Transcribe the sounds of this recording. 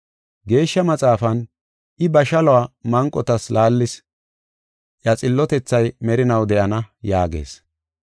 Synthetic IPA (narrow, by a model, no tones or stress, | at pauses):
ɡe̞ːʃːɐmɐt͡sʼaːfɐn | ʔɪbɐʃɐlɔwaːmɐŋkʼːɔt̪ɐslaːlːɪs | ʔɐt͡sʼɪlːɔt̪ɛt͡sːɐjmɛɾɪnɐwd̪ɛʔɐnɐjaːɡe̞̰ːs